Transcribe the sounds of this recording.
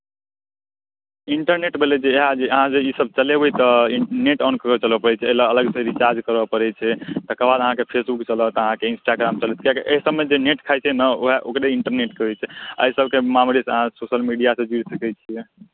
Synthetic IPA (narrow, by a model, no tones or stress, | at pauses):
iɳʈəɾneʈbʱelɛd͡ʒeːɦad͡ʒeəɦãd͡ʒeisəb̚t͡ʃəlebejt̪ɔineʈankəkɔt͡ʃələpəɾɛt͡ʃʰɛəlaələɡsəɾit͡ʃaɾd͡ʒkəɾəpəɾɛt͡ʃʰɛt̪əkɾəbad̪əɦãkepʰesbukt͡ʃələt̪əɦãkeinsʈaɡɾamt͡ʃəlɛt̪kjakeʔeɦisəbmed͡ʒeneʈkʰajt͡ʃʰɛnəoɦeʔokɾeiɳʈəɾneʈkəɦɛt͡ʃʰɛa̰isəb̚kemamɾesəɦãsosəlmiɖijasẽd͡ʒuɾsəkɛt͡ʃʰiɛ